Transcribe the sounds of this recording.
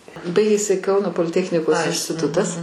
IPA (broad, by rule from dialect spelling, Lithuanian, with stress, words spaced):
ˈbɐɪɡʲeːsʲɪ ˈkɐʊnoː poːlʲɪˈtʲæːxʲnʲɪkoːs ɪnʲsʲtʲɪˈtʊtɐs